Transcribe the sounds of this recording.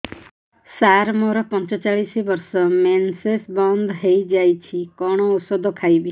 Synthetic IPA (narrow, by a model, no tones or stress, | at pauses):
saɾmɔɾɔpɔnt͡ʃɔt͡ʃaɭisibɔɾsɔmensesbɔnd̪ɦejd͡ʒajt͡ʃʰikɔɽ̃ɔusɔd̪ʱɔkʰajbi